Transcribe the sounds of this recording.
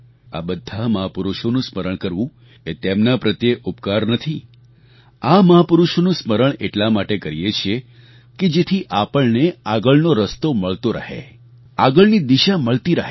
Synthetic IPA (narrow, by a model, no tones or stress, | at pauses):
a̰bəd̪ʱːaməɦapuɾuʃonũsməɾəɳkəɾʋũ | et̪emnapɾət̪jeʔupkaɾnət̪ʰi | aməɦapʊɾuʃonũsməɾəɳḛʈlamaʈekəɾijet͡ʃʰie | ked͡ʒet̪ʰiʔapəɭneaɡəɭnoɾəst̪oməɭt̪oɾə̰ɦḛ | aɡəɭnid̪iʃaməɭt̪iɾəɦe